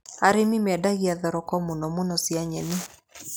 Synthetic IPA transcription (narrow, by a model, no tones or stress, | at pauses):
aɾemimɛdaɣiaðɔɾɔkɔmunɔmunɔsiaɲɛmi